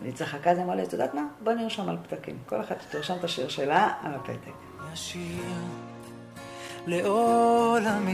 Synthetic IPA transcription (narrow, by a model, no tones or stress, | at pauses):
nit͡saχakazemoletud̪at̪maboniʃamalpd̪akḭmkoleχad̪̚t̪i̥t̪uʁʃamt̪aʃiʁʃelaa̰lapḛt̪ek | maʃi | leolam